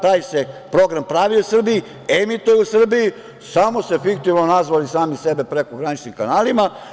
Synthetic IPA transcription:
t̪aːjse̞pɾo̞ɡɾampɾaʋiusr̩bii | emit̪ujeusr̩biji | samo̞se̞fik̚t̪iʋnonazʋalisaːmisebe̞pɾe̞koɡɾanit͡ʃnimkanaːlima

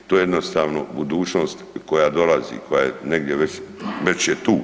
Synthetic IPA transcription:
t̪oːjeed̪nost̪aːʋno̰bud̪uːt͡ʃno̞ːst̪ko̞jaːd̪o̞lazḭkʰo̞jajene̞ɡd̪jeʋet͡ɕʋe̞t͡ɕjet̪uː

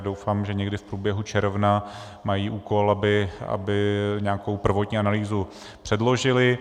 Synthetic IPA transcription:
do̞wfaːmʒɛɲɛɡdɪfpɾuːbjɛɦut͡ʃɛɾvna | majiːʔuːko̞labɪa̰bɪɲɛaːko̞wpr̩vo̞t̪ɲiːanaliːzu | pr̝̥ɛdlo̞ʒɪlɪ

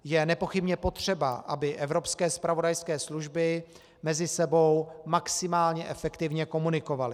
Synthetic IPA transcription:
jɛnɛpo̞xɪbɲɛpo̞t̪r̝̥ɛbaʔabɪʔɛvɾo̞pskɛːspɾavo̞dajskɛːsluʒbɪ | mɛzɪsɛbo̞wmaksɪmaːlɲɛʔɛfɛkt̪ɪvɲɛko̞munɪko̞valɪ

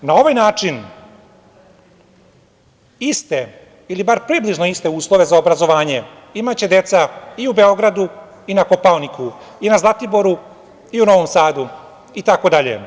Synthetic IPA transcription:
nao̞ʋajnaːt͡ʂin | ist̪e | ilibaɾpɾibliʒno̞ist̪e̞uːslˠo̞ʋe̞zaobɾazo̞ʋaːɲe̞ | imat͡ɕe̞d̪e̞t̪saiube̞o̞ɡɾad̪u | inako̞paonikuinazlˠat̪ibo̞ɾu | iuno̞ʋomsaːd̪u | it̪ako̞d̪aʎḛ

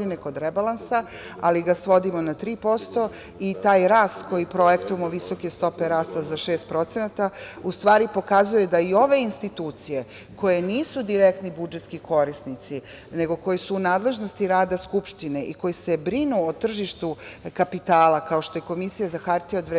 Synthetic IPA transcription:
d̪ineko̞d̪ɾebalˠansa | aliɡasʋo̞d̪imo̞nat̪ɾiːpo̞st̪o̞ | it̪aːjɾaːst̪ko̞jipɾo̞je̞kt̪uemoʋiso̞ke̞st̪o̞peɾaːst̪azaʃeːst̪̚pɾo̞t̪se̞nat̪aust̪ʋaːɾipo̞kazuje̞d̪aio̞ʋe̞inst̪it̪uːt̪sije̞ | ko̞je̞niːsud̪iɾe̞kt̪nibud͡ʒe̞t̪skiko̞ɾisnit̪si | ne̞ɡo̞ko̞jisuːnaːd̪le̞ʒno̞st̪iɾaːd̪askupʃt̪ine̞ʔiko̞jisebɾinuot̪r̩ʒiʃt̪ukapit̪aːlakao̞ʃt̪o̞jeko̞misijazaxaɾt̪iod̪ʋɾe

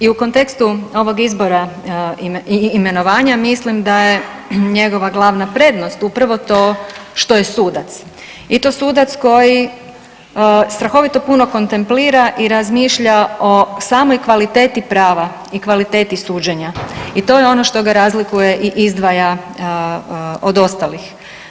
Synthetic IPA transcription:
iuko̞nt̪e̞kst̪uo̞ʋo̞ɡizbo̞ɾa | iːme̞no̞ʋaːɲamislimd̪aje | ɲe̞ɡo̞ʋaɡlˠaːʋnapɾe̞d̪nost̪upɾaʋo̞t̪o̞ːʃt̪o̞jesuːd̪at̪s | it̪o̞ːsuːd̪at̪sko̞ji | st̪ɾaxo̞ʋit̪o̞puno̞ko̞nt̪e̞mpliːɾaʔiɾazmiːʃʎao̞saːmo̞jkʋalit̪e̞ːt̪ipɾaːʋa | ikʋalit̪e̞ːt̪isuːd͡ʑeɲait̪o̞jeo̞no̞ʃt̪o̞ɡaɾaːzlikuje̞ʔiʔizd̪ʋaja | od̪o̞st̪alix

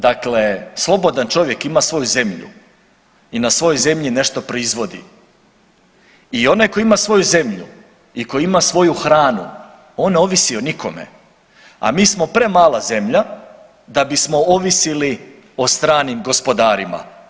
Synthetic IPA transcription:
d̪akle̞slˠo̞bo̞d̪ant͡ʃo̞ʋje̞kimasʋo̞juze̞mʎṵ | inasʋo̞jo̞jze̞mʎine̞ʃt̪o̞pɾoizʋo̞d̪ḭ | io̞najko̞jimasʋo̞juze̞mʎṵ | ikojiimasʋo̞juxɾaːnṵ | oːnneo̞ʋisio̞nikʰo̞me̞̰ | a̰miːsmo̞pɾe̞maːlaze̞mʎa | d̪abismo̞oʋisili | ost̪ɾaːnimɡo̞spo̞d̪aːɾima̰

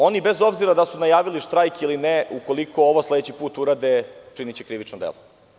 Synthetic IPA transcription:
o̞nibezo̞bziɾad̪asunajaːʋiliʃt̪ɾajkilineuko̞likʰo̞oʋosled̪et͡ɕipuːt̪uɾad̪et͡ʂinit͡ɕekɾiʋit͡ʂnod̪ḛlˠo

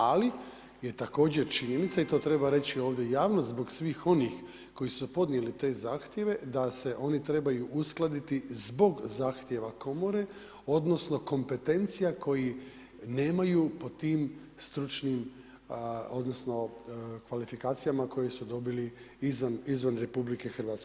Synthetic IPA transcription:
ali | je̞t̪ako̞ːd͡ʑe̞ɾt͡ʃiɲenit̪sait̪o̞ːt̪ɾe̞baɾe̞t͡ɕio̞ːʋd̪jejaːʋnozbo̞ɡsʋiːxo̞nix | ko̞jisupo̞d̪nje̞lit̪e̞ːzaːxt̪je̞ʋe̞d̪ase̞ʔo̞nit̪ɾe̞bajuʔusklˠad̪it̪izbo̞ɡzaːxt̪je̞ʋako̞mo̞ɾe̞ | o̞d̪no̞sno̞ko̞mpe̞t̪e̞nt̪sijakʰo̞ji | ne̞ːmajupo̞t̪iːm | st̪ɾut͡ʃnim | o̞d̪no̞sno̞kʋalifikaːt̪sijamako̞jesud̪o̞bili | izʋanizʋanɾe̞publike̞xr̩ʋaːt̪ske

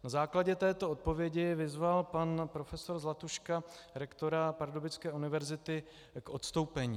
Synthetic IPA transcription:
nazaːklaɟɛt̪ɛːt̪o̞ot̪̚po̞vjɛɟɪvɪzvalpanpɾofɛso̞ɾzlat̪uʃkaɾɛkt̪o̞ɾapaɾdobɪt͡skɛːʔunɪvɛɾzɪt̪ɪ | kʔo̞t̪st̪o̞wpɛɲiː

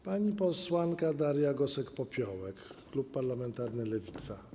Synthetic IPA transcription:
paɲipɔswankad̪aɾjaɡɔsɛkpɔpʲjɔwɛkː | lupːaɾlamɛnt̪aɾnɘlɛvʲit̪sa

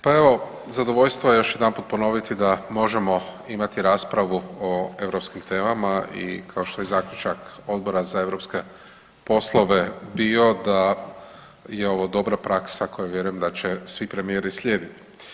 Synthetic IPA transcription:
pae̞ʋo̞ | zad̪o̞ʋo̞ʎst̪ʋojejo̞ʃjed̪anpuːt̪̚po̞no̞ʋit̪id̪amo̞ʒe̞mo̞imat̪iɾaːspɾaʋuoe̞ʋɾo̞pskimt̪e̞ːmamaḭkʰaoʃt̪o̞jezaːklʲʎut͡ʃako̞d̪̚bo̞ɾazae̞ʋɾo̞pske̞ | po̞slˠo̞ʋe̞biːo̞d̪a | jeo̞ʋod̪o̞bɾapɾaksakʰo̞jaʋje̞ɾujemd̪at͡ɕe̞sʋipɾe̞mieɾislʲjeːd̪it̪i̥

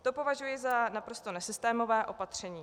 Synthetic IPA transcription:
t̪opo̞vaʒujɪzanapɾo̞st̪o̞nɛsɪst̪ɛːmo̞vɛːʔo̞pat̪r̝̥ɛɲiː

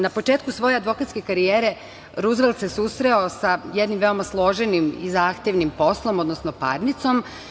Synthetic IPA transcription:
napot͡ʃe̞ːt̪̚kusʋo̞je̞ad̪ʋo̞kat̪ske̞kaɾijeːɾe̞ | ɾuzʋelˠd̪se̞susɾeosajed̪nimʋe̞o̞maslˠo̞ʒenimizaːxt̪e̞ʋnimpo̞slˠo̞mo̞d̪nosnopa̰ɾnit̪so̞m

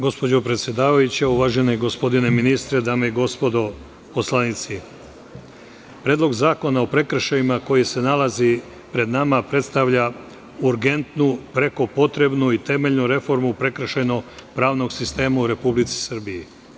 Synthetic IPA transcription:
ɡo̞spo̞d͡ʑo̞pɾet̪sʲjed̪aːʋajut͡ɕeuʋaːʒe̞neiɡo̞spo̞d̪ine̞minist̪ɾe̞d̪aːmeiɡo̞spo̞d̪o̞ | poslˠanit̪si | pɾe̞ːd̪lˠo̞ɡzaːko̞nao̞pɾe̞kɾ̩ʃajimako̞jise̞nalazi | pɾe̞d̪namapɾe̞t̪st̪aʋʎa | uɾɡe̞nt̪nupɾe̞ko̞po̞t̪ɾe̞bnuit̪e̞meʎnuɾe̞fo̞ɾmupɾe̞kɾ̩ʃejnoɡpɾaːʋno̞ɡsist̪e̞ːmauɾe̞publit̪si̥sr̩biji

